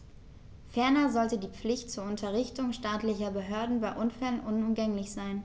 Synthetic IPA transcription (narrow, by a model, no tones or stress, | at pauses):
fɛɐnɐzɔltədiːp͡flɪçtt͡suːɐʊntʰɐʁɪçtʊŋʃtaːtlɪçɐbəɦøɐdn̩baɪʔʊnfɛlənʔʊnʊmɡɛŋlɪçz̥aɪn